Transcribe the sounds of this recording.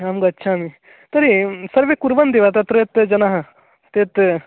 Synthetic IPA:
amɡɐɐtːʃʰami | t̪ɐɾisɐɾʋekuɾʋɐnd̪iʋat̪ɐt̪ɾet̪d͡ʒɐnaɦ | t̪et̪

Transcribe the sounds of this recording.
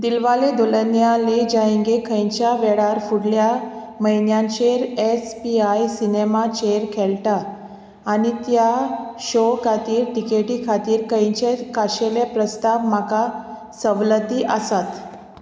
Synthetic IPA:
d̪ilʋaled̪olənjaled͡ʑajẽŋɡekʰəjt͡ɕjaʋeɽaɾfuɽlja | məjnjãnt͡ɕeɾespiajsinemat͡ɕeɾkʰɛlʈaː | ɽ̃it̪jaɕokʰat̪iːɾʈikeʈiːkʰat̪iːɾkəjt͡ɕekaɕelepɾəst̪aʋm̤aka | səʋlət̪iːʔəsat̪

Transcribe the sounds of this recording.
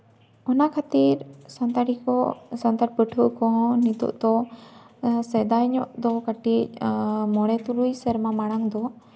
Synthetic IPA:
ɔnakʰat̪iɾsant̪aʈikɔsant̪aɾpəʈʰuʔkɔɦɔ̃nit̪ɔ̰ʔd̪ɔ | sɛd̪ajɲɔʔd̪ɔkaʈic̚mɔɽɛt̪uɾujsɛɾmamaɽaŋd̪ɔ

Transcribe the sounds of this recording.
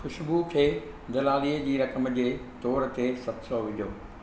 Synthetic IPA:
xʊʃbukʰeː | d̪ɐlaːliːəd͡ʑiːɾɐkəmd͡ʑeːt̪ɔːɾ̆t̪esɐt̪sɔːʋɪd̪ʱoː

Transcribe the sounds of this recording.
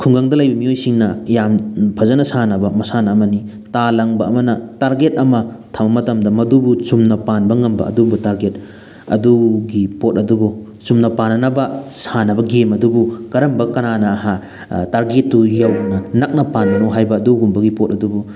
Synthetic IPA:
kʰuŋɡaŋdɐlɐjbɐmiojsiŋnɐjampʰɐzɐnɐsanɐbɐmɐsanɐːmɐni | talɐŋbɐɐmɐnɐtaɾɡet̚ɐmɐtʰambɐmɐtɐmdɐmɐdubut͡ʃumnɐpanbɐŋɐmbɐ̰ɐ̰dubutaɾɡet̚ | ɐ̰duɡipot̚ɐdubu | t͡ʃumnɐpanːɐnɐbɐsanɐbɐɡemɐdubukɐɾɐmbɐkɐnanɐːɦa | taɾɡetːujɐwnɐnak̚nɐpanmɐnowɦajbɐːduɡumbɐɡipot̚ɐdubu

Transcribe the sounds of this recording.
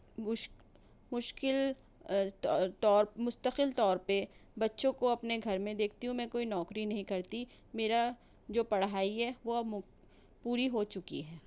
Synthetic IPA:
ʊʃ | mʊʃkɪl | t̪ːt̪ɔːɾmʊst̪əqɪlt̪ɔːɾpebɐtːʃõkoɐpneɡʱɐɾmẽd̪eːk̚ʰt̪iɦũmɛ̃ːkoːinɔːkɾinɐɦĩkɐɾt̪i | meːɾa | d͡ʒoːpɐɽɦaːiɦɛʋom | puːɾiɦot͡ʃʊkḭɦɛː

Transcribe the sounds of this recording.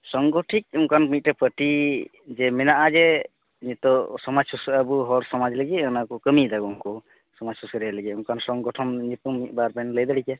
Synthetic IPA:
sɔŋɡɔʈʰik̚ɔŋkanmit̪̚ʈɛpəʈi | d͡ʒɛmɛnaʔad͡ʒɛ | ɲit̪ɔsɔmad͡ʒsusabuɦɔɾsɔmad͡ʒləɡiənakɔkəmid̪aɡɔɔŋkɔ | sɔmad͡ʒsusəɾɛləɡɛuŋkansɔŋɡɔʈʰɔmɲipumit̚ˀbaɾpanləjd̪aɽikɛ

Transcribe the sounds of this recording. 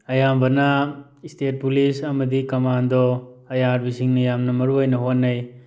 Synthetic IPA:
ɐjambɐnɐ | istet̚pulisɐmɐdikɐmandɔɐjaɾbisiŋnɐjamnɐmɐɾuojnɐɦotnɐj

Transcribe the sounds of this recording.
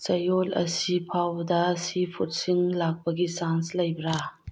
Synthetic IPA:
t͡ʃɐjolɐ̰sipʰawdɐsipʰut̚siŋlak̚pɐɡisanslɐjbɾa

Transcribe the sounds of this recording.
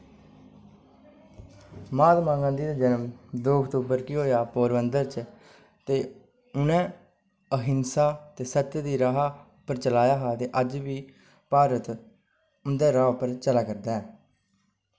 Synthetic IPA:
maːd̪mãːŋɡãːd̪iːd̪aːd͡ʒənəmd̪oːəkt̪uːbəɾkɪɦoːjaːpoːɾbənd̪əɾt͡ʃ | t̪eː | ʊnɛ̃ː | əɦɪnsaːt̪eːsət̪d̪iːɾaːɦaː | pəɾt͡ʃəlaːjaːɦaːt̪eːʔəd͡ʒʋiː | paːɾət̪ | ʊnd̪eːɾaːpəɾt͡ʃəlaːkəɾd̪aːɛː

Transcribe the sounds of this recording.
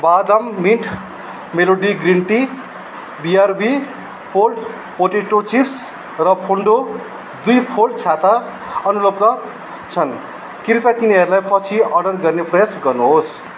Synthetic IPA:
bad̪amːiʈʰ | meloɖiɡriɳʈi | biarbi | pʰolɖ | poʈeʈot͡sips | rʌpʰoɳɖo | d̪ujpʰolɖt͡sʰat̪a | ʌnulʌbd̪ʌ | t͡sʰʌn | kiɾp̪at̪iniɦʌɾulajpʰʌt͡sʰiʌrɖʌrɡʌrnepʰresɡʌrnuɦos

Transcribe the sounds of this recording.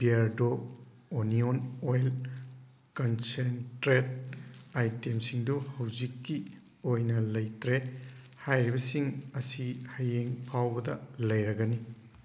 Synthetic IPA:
biaɾdo | onionojl | kɐnsentɾet̚ajtemsiŋduhɐwzikːi | ojnɐlɐjtɾe | hajɾibɐsiŋɐsihɐjeŋpʰawbɐdɐ̰lɐjɾɐɡɐni

